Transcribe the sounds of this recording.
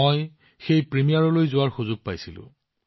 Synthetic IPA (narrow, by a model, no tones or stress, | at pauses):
oj | xejpɹemijaɹɔlojzʊwaɹxuzʊɡ̚pajsilʊ̰̃